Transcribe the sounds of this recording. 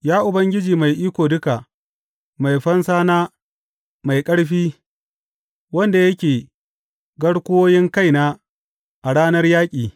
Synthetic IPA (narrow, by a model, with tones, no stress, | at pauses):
jaː˦ʔʊ˨bɐ˦ŋɡʲɪ˦d͡ʒiː˨ma˨jʔiː˦kʷoː˨dʊ˦ka˨ | ma˨jɸɐ˦nsaː˦naː˦ | ma˨jkʼɐ˦ɽɸiː˦ | wɐ˦nda˨jɐ˦kʲeː˨ | ɡɐ˦ɽkʷʊ˦woː˦jɪ˦ŋka˦˨jnaː˦ | ʔa˨ɽaː˦nɐ˦rjaː˦kʲʼiː˨